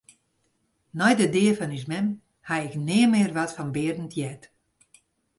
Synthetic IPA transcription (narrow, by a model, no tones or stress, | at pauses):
nɔjdədɪəfɔnismɛm | haɪknɪəmɪːrʋɔtfɔnbɪərdn̩tʰjɛt